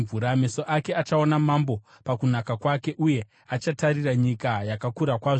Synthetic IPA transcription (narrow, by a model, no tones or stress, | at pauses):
vuɾame̞so̞ʔake̞at͡ʃao̞namambo̞ | pakunakakwake̞ʔuje̞ | at͡ʃatariraɲikajakakuɾakwaʐo